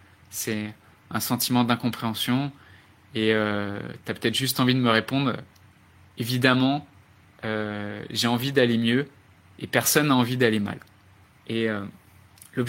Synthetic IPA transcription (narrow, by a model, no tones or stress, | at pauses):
sɛ | ɛ̃sɑ̃t̪imɑ̃d̪ɛ̃kɔ̃pχeɑ̃sjɔ̃ | eøt̪yapø̥t̪ɛt̪χʒyst̪ɑ̃vid̪əməʁepɔ̃d̪ʁø̰ | evid̪amɑ̃ | øʒeɑ̃vid̪alemjø | epɛʁsɔnːaɑ̃vid̪alema̰l | eø | lɔb